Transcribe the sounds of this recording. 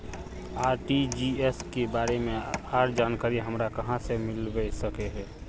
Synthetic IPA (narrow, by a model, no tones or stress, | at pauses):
aːɾʈid͡ʒieskebaɾemeaɾd͡ʒankaɾiɦəmɾakəɦãsemɪlbɛsəkeɦɛ